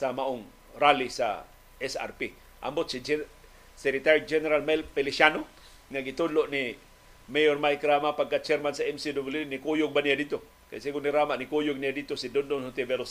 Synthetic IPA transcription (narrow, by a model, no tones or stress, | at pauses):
samaʔʊŋ | ɾalisa̰ | ɛsa̰rpi | ʔa̰mbot̪̚sid͡ʒ | sɛɾɪt̪aɾjd͡ʒɛnɛɾalmajlpelɪʃano | ŋaɡɪt̪ʊdloʔni | mejormajkɾamapaɡkːat͡ʃɛɾmansaɛmsidobljudnikujʊɡ̚banijadit̪o | ka̰jsiɡʊniɾamaʔnikujʊɡ̚nijadit̪osid̪ondonhot̪ebɛɾos